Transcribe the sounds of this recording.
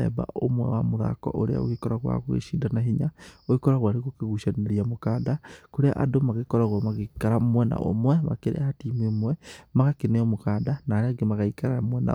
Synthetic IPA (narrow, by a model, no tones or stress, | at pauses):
ɛ̰ba̰o̰mwɛ̰wamoɾa̰kɔ̰ʔoɾea̰o̰ɣekɔɾaɣwa̰ɣwḛʃidanaɦiɲaoekɔɾaɣwaɾeɣokeɣuʃaneɾiamokaːdakoɾea̰ʔadomaɣekɔɾaɣwamaɣekaɾamwɛna̰ʔo̰mwɛma̰keɾḛaatiːmemwɛmaɣakeneɔmokaːdanaːɾeaɡemaɣaikaɾaamwɛna̰